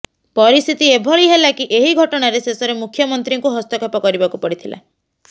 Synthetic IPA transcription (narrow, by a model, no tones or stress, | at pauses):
pɔɾist̪ʰit̪iebʱɔɭiɦelakiʔeɦiɡʱɔʈɔɽ̃aɾesesɔɾemukʰjɔmɔnt̪ɾiŋkuɦɔst̪ɔkapɔkɔɾibakupɔɽit̪ʰila̰